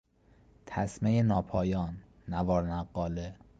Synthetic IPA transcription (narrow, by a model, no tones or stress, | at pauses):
t̪ʰæsmejenɒːpʰɒːjɒːnː | ævɒːɾnæɢːɒːle